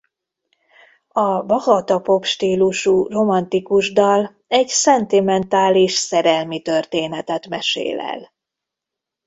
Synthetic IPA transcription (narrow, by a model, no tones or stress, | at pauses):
ɒbɒhɒt̪ɒpo̞kʃt̪iːluʃuro̞mɒnt̪ikuʒd̪ɒl | ɛɟsɛnt̪imɛnt̪aːliʃsɛɾɛlmit̪ørt̪eːnɛt̪ɛt̪mɛʃḛːlɛ̰l